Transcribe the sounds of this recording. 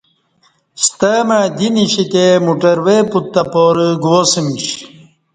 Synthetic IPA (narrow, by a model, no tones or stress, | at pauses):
ɕt̪əmad̪iniɕik̪emuʈɐɾweput̪ːɐpoːɾəɡwosimiɕ